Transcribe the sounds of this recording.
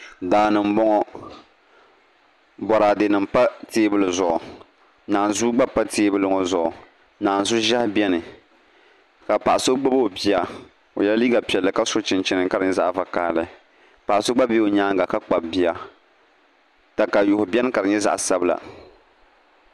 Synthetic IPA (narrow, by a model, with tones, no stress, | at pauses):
daː˨˦nɨ˨m̩˦bɔ˦ŋɔ˦ | bɔ˨ɾa˨dɨ˨nɨ˨mpa˦teː˦bɨ˨lɨ˨zʊ˨ʔɔ˨ | naː˨n˨zu˦ɡ͡ba˦pa˦teː˦bɨ˦lɨ˦ŋɔ˨zʊ˨ʔɔ˨ | naː˨n˨zʊ˦ʒa˦hbi˦ɛ˦nɨ˨ | ka˨pa˨ʔa˨so˦ɡ͡ba˦bo˦˨bi˦a˦ | o˨jɛ˦la˦liː˦ɡa˨pi˨ɛ˨lːɨ˨ka˦so˦t͡ʃɪ˨nt͡ʃɪ˨nɨ˨ŋka˨ɾɨ˨ɲɛ˦za̰˦ʔva˨kaː˦˨lɨ˦˨ | pa˨ʔso˦ɡ͡ba˦bi˦o˨ɲaː˦ŋɡa˨ka˦k͡pa˨bbi˦a˦ | ta˨ka˨jʊ˨hʊ˨bɛ˦nɨ˦ka˨ɾɨ˨ɲɛ˦za̰˦ʔsa˦bɨ˦la̰˨